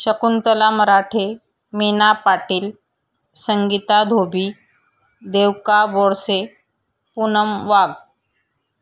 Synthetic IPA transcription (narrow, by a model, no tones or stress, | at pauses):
ɕəkunt̪əlaməɾaʈʰe | menapaʈiːl | səŋɡit̪ad̪ʱobʱiː | d̪eʋkabɔɽse | punəmʋaɡ